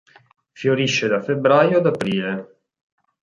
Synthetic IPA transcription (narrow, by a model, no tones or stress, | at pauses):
fjoɾiʃːed̪afebɾaːjoad̪apɾiːle